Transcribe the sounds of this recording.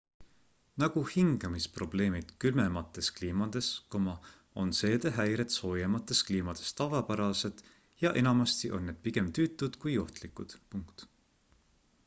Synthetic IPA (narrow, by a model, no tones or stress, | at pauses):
nɑɡ̥uhiŋɡ̥ɑmispro̞b̥le̞ːmid̪̥kylmemɑt̪ːˑe̞skliːmɑd̪̥e̞skomɑ | o̞nse̞ːd̪̥eɦæjɾe̞t̪so̞ːjemɑt̪ːˑe̞skliːmɑd̪̥e̞̥st̪ɑvɑpæɾɑse̞d̪̥ | jɑʔe̞nɑmɑst̪iʔo̞nːed̥̪̚piɡe̞mt̪yːt̪ːˑud̪̥kujo̞ht̪likˑud̪̥puŋkt̪